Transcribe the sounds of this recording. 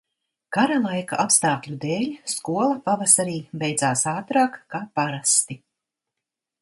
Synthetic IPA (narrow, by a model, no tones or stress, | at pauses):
kaɾalˠajkaʔapst̪aːklʲud̪eːlʲskuɔlˠapavasaɾiːbɛjd̪zaːsaːt̪ɾaːkːaːpaɾast̪i